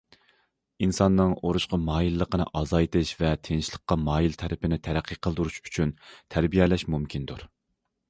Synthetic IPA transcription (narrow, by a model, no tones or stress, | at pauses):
insɑnːɨŋoɾuʃqɑmɑːjilːəqʰənɨ̰ʔɑzɑjt̪ʰɨʃvɛt̪ʰenɪʃlˠəqːɑmɑːjilt̪ʰæɾʔɪpɪnɪt̪ʰæɾæqʰːiqʰːəlˠd̪uɾuʃy̥t͡ʃʰynt̪ʰæɾbijɛlɛʃmumkʲʰind̪uɾ